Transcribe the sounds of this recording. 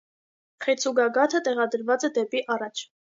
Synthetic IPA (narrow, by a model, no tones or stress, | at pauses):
χɛt͡sʰuɡɑɡɑt̪ʰət̪ɛʁɑd̪əɾvɑt͡sɛd̪ɛpiʔɑrɑt͡ʃʰ